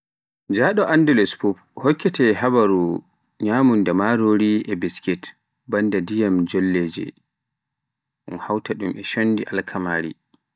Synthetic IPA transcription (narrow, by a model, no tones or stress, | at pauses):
d͡ʒaɗɔʔandulɛspup | hɔkːɛtɛɦabaɾu | ɲaːmundamaɾoɾiɛbiskɛt | bandadijamd͡ʒolːeːd͡ʒɛ̰ | ʔunhawtaɗumʔɛʃondiʔalkʰamaːɾḭ